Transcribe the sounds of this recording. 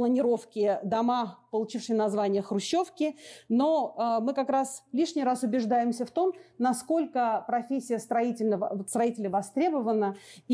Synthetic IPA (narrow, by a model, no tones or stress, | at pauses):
lˠənʲɪɾo̞fkʲɪd̪ɐmapəlˠʊt͡ɕifʂɨjənɐzvanʲɪjəxɾʊɕːo̞fkʲɪno̞əmɨkɐkɾaslʲiʂnʲɪjɾasʊbʲɪʐd̪ajɪmsʲəft̪o̞mnɐsko̞lʲkəpɾɐfʲesʲːɪjəst̪ɾɐitʲɪlʲnəvst̪ɾɐitʲɪlʲəvɐst̪ɾʲe̞bəvənə